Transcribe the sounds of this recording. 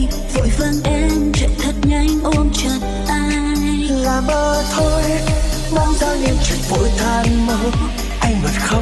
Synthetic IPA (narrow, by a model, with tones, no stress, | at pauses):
vo̰˧˨˩jvə˧nʔɛ˧˥mt͡ɕɛ̰˧˥t̪ʰə˨˩t̚ɲa˧jŋʔo˧nt͡ɕə˨˩t̚ʔaː˧ | j | laː˨˩ɓəː˨˧˩t̪ʰo˧j | ɓaː˧nzaː˧wɲɨ̰˧ŋt͡ɕi˨˩t̚vo̰˧˥jt̪ʰaː˧˩nməː˧˦ | ʔa˧jŋvə˨˩n̚xə˧w